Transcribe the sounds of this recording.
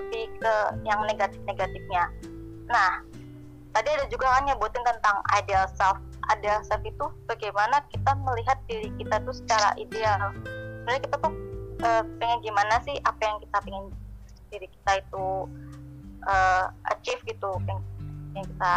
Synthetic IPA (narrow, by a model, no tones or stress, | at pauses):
p̪ikəjaŋneɡat̪ɪ̥fneɡat̪ɪfɲa | nah | t̪adiadad͡ʒuɡakanɲabuat̪ɪnt̪ənt̪aŋa̰jdealsɛlf | ʔa̰dasafit̪ub̥aɡajmanakit̪aməliɦat̪̚diɾikit̪at̪usə̥t͡ʃaɾa̰ʔidealsəmdaɾɲakit̪at̪uəpiŋɪnɡimanasɪhʔapajaŋkit̪apiŋɪn | d̥iɾiki̥t̪ait̪u | ʔəːʔa̰t͡ʃifɡit̪upjŋjaŋkit̪a